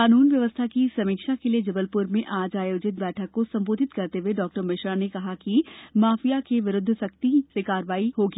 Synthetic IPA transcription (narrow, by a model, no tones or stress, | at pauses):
aːnuːnʋjɐʋəst̪ʰakisɐmiːkʃakelied͡ʒɐbəlpʊɾmẽʔaːd͡ʒaːjoːd͡ʒɪt̪̚bɛːʈʰəkːosɐ̃mboːd̪ʱɪt̪kɐɾt̪eɦeɖɔːk̚ʈəɾmɪʃɾanekɐɦakimaːfijakeʋɪɾʊd̪ʱːsɐk̚t̪isekaːɾʋaːiɦoːɡi